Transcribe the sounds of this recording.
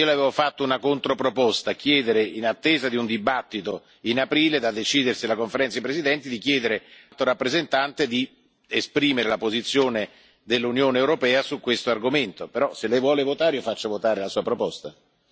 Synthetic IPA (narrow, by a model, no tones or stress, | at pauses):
iolaveːvofat̪ːounakont̪ɾopɾopɔst̪akjɛːd̪eɾeinat̪ːeːzad̪iund̪ibat̪ːit̪o | inapɾiːled̪ad̪ːet͡ʃiːd̪ersilakoɱfeɾɛnt̪saipɾezid̪ɛnt̪id̪ik̟jɛːd̪eɾelt̪oɾapːɾezent̪ant̪ed̪i | espɾiːmeɾelapozit̪sːjoːne | d̪elːunjoːneːwɾopɛːasukːwest̪oarɡoment̪opeɾɔselːɛjvwɔːlevot̪aːɾjofat͡ʃːavot̪aːɾelasuːapɾopɔst̪a